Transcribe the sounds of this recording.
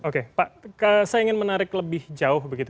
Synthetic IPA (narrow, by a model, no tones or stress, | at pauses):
okepaʔkəsajaiŋɪnmənaɾɪkləbɪhd͡ʒaʊhbəɡit̪u